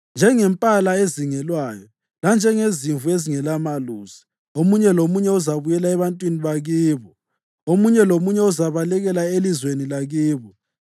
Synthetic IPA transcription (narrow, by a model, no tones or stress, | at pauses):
nd͡ʒʱɛŋɛmpʼalaeziŋɛlwaːjɔ | land͡ʒʱɛŋeziɱvueziŋɛlamaluːzi̥ | omuɲɛlomuɲɛuzaβujɛlaɛβantʼwiniβaɣiːβɔ | omuɲɛlomuɲɛuzaβalɛɣɛlaelizwenilaɣiːβɔ